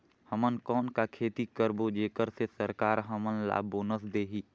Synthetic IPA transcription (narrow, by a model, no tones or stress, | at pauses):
həmənkɔːnkakʰeːt̪ikəɾbod͡ʒeːkəɾsesəɾkaːɾɦəmənla̰ːboːnəsd̪eːɦiː